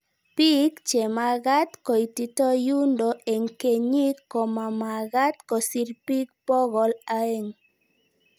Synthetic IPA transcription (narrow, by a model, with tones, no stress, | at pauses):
pi˦kt͡ʃe˨ma˨ɣa˦t̪kɔ˨i˨ti˨tɔ˦ju˦ndɔ˨e˨ŋ˨ke˨ɲi˦kːɔ˨ma˨ma˨ɣa˦t̪kɔ˨si˦ɾpi˦k̚pɔ˦ɣɔ˨la˦e˦˨ŋ